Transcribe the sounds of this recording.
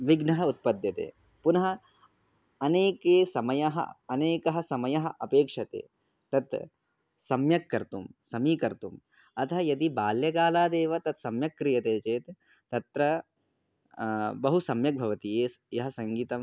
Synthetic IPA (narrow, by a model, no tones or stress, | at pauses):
ʋiɡnɐɦɐut̪̚pɐd̪jɐt̪ḛː | punɐɦɐ̆ | ɐneːkeːsɐmɐjɐɦɐ̰ɐneːkɐɦɐsɐmɐjɐɦɐʔɐpeːkʂɐt̪ḛː | t̪ɐt̪ | sɐmjɐkːɐɾt̪umsɐmiːkɐɾt̪um | ɐt̪ʰɐjɐd̪ibaːljɐɡaːlaːd̪eːʋɐt̪ɐt̪sɐmjɐkːɾijɐt̪eːt͡ʃeːt̪ː | ɐt̪ɾɐ | bɐɦusɐmjɐk̚bʱɐʋɐt̪ijeːjɐɦɐsɐŋɡiːt̪ɐm